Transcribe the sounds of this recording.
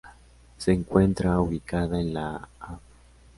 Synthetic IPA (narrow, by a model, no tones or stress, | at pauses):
seːŋkwe̞nt̪ɾauβikaðaenlaaw